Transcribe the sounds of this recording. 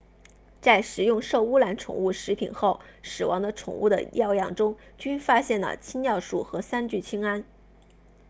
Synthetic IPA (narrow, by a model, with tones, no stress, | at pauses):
t͡sa˥˩ɪʂɻ̩˨˩jʊ˥˧ŋʂo˥˧ʊu˥la˧˥nʈ͡ʂʰʊ̰˨˩ŋu˥˩ʂɻ̩˧˥pʰḭ˨˩nxo˥˩ʊʂɻ̩˨˩wɑ̰˧˥ŋd̪ə˧ʈ͡ʂʰʊ̰˨˩ŋṵ˥˩d̪ə̰˩jɑ˥˧ʊjɑ˥˩ŋʈ͡ʂʊ˥ŋt͡ɕy˥nfa˥ɕjɛ˥˩nlə̰˩t͡ɕʰi˥ŋjɑ˥˧ʊʂṵ˥˩xɤ˧˥sa˥nt͡ɕy˥˩t͡ɕʰi˥ŋa˥n